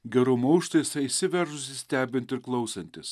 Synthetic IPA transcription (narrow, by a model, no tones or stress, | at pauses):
ɡʲɛɾʊmɐʊʃt̪ɐjɪsʲɐisʲɪʋʲɛɾʒʊsʲɪsʲt̪ʲæːbʲɪnʲt̪ʲɪɾklˠɐʊsɐnʲt̪ʲɪs